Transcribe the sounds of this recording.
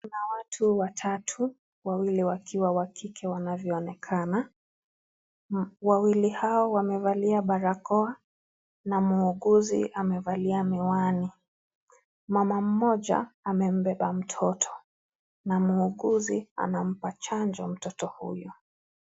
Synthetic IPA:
nawatʰuwatʰatʰu | wawiliwakʰiwawakikʰɛwanavjɔɔnɛkʰana | wawilihaɔwamɛvaliaɓaɾakɔa | namuːɠuzḭʔamɛvaliamɛwani | mamam̩mɔʄa̰amɛm̩bɛɓam̩tʰɔtʰɔ̥ | namuːɠuzia̰nam̩pat͡ʃand͡ʒɔm̩tɔtɔhṵjɔ

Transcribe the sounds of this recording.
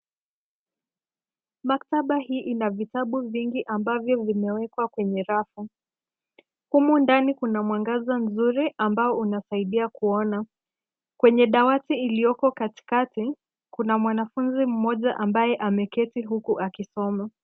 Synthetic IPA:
mak̚taɓahiːʔinavitaɓuviŋɡiʔambavjɔvimɛwɛkwakwɛɲɛɾafu | humundanikunamwaŋɡazan̩zuɾiʔambaɔunasaiɗiakuɔna | kwɛɲɛɗawatiːlijɔkɔkati̥kati | kunamwanafunzim̩mɔʄaʔambajɛʔamɛkɛtiɦukuʔakisɔma

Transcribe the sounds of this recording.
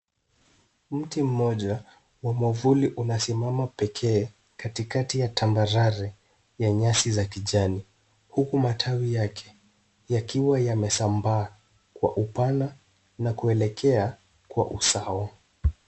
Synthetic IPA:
m̩tim̩mɔʄa | wamɔvuliʔunasimamapɛkʰɛː | katikatijatʰambaɾaɾɛ | jaɲasizakiʄani | hukumatʰawijakʰɛ̥ | jakiwajamɛsambaː | kwa̰ʔupana | nakuɛlɛkʰɛa | kwa̰ʔusaɔ

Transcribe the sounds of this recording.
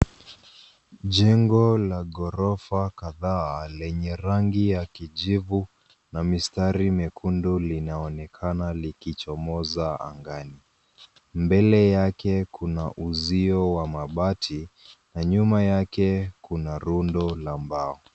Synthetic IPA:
ʄɛŋɡɔlaɠɔɾɔfakaðaːlɛɲɛɾaŋɡijakiʄivu | namistaɾimɛkʰundulinaɔnɛkʰanalikit͡ʃɔmɔzaa̰ŋɡani | mbɛlɛjakɛkunaʔuziɔwamaɓatʰinaɲumajakɛkunaɾundɔlambaɔ

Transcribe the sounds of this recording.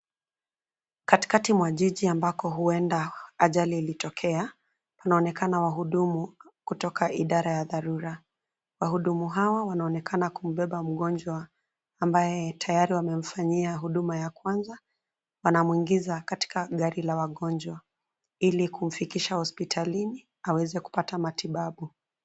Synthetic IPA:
kati̥katimwaʄiʄiambakɔɦuɛndaaʄaliːlitɔkʰɛa | panaɔnɛkanawaɦuɗumukutɔkʰaʔiɗaɾajaðaɾuɾa | waɦuɗumuɦawawanaɔnɛkʰanakum̩ɓɛɓam̩ɠɔnd͡ʒwaː | mbajɛtʰajaɾiwamɛm̩faɲiaɦuɗumajakwanza | wanamuwiŋɡizakati̥kaɠaɾilawaɠɔnd͡ʒwa | ilikum̩fikiʃahɔspitʰalini | awɛzɛku̥patamatiɓaɓu

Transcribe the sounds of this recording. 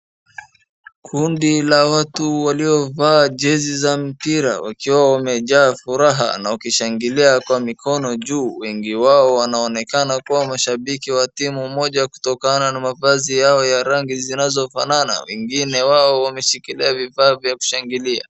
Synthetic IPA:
kʰundilawatuwaliɔvaːʄɛzizam̩piɾa̰wa̰kiwawamɛʄaːfuɾaɦa̰naukiʃaŋɡiliakwamikʰɔnɔʄuːwɛŋɡiwaɔwanaɔnɛkanakuwamaʃaɓikiwatimumɔʄaku̥tɔkananamavazijaɔjaɾaŋɡizinazɔfa̰nana̰wɛ̰ŋɡinɛwaɔwamɛʃikiliavifaːvjaku̥ʃaŋɡilia̰

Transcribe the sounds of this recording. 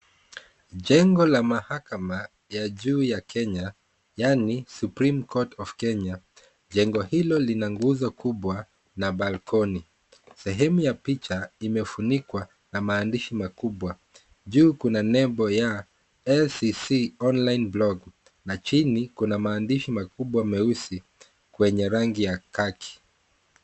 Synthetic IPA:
ʄɛŋɡɔlamahakama | jaʄuːjakʰɛɲa | janisupɾimkʰɔtʰɔfkɛɲa | ʄɛŋɡɔhilɔlinaŋɡuzɔkuɓwa | naɓalkʰɔni | sɛɦɛmujapit͡ʃaimɛfunikwa | namaːndiʃimakuɓwa | ʄuːkunanɛmbɔja | ɛsisiɔnlajnblɔɡ | nat͡ʃinikunamaːndiʃimakuɓwamɛusi | kwɛɲɛɾaŋɡijakakʰi̥

